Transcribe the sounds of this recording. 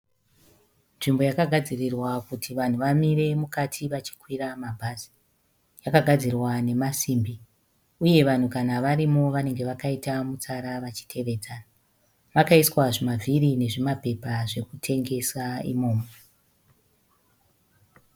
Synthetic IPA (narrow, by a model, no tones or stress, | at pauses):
nʐimbo̞jakaɡʱad͡zirirwakutʰiʋan̤uʋamiɾe̞mukatʰiʋat͡ʃi̥kwiramabʱaːzi̥ | jakaɡʱad͡zirwane̞masiːmbi | uje̞ʋan̤ukanaʋaɾimo̞ʋane̞ŋɡe̞ʋakaitamut͡saɾaʋat͡ʃi̥tʰe̞ʋe̞ːd͡zana | ʋakaiswaʐimavʱiɾine̞ʐimape̞paʐe̞kutʰe̞ŋɡe̞saḭmo̞ːmo